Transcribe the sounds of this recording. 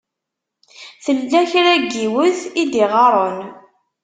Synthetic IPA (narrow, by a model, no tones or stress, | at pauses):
θəlːæçɾæɡːiwəθid̪iʁɑɾˤən